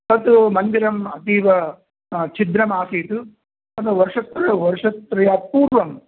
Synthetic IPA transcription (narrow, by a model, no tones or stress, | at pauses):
t̪ɐt̪umɐnɡ̪iɾɐmɐt̪iːʋɐ | t͡ʃʰid̪ɾɐmaːsiːt̪u | ɐnɐʋɐɾʂɐt̪ɾɐʋɐɾʂɐt̪ːɾɐjaːpuːɾʋɐm